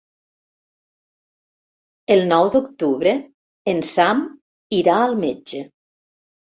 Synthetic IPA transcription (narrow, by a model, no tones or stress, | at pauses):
əlˠnɔwd̪ukt̪uβɾe | ensam | iɾaəlˠmed͡ʒə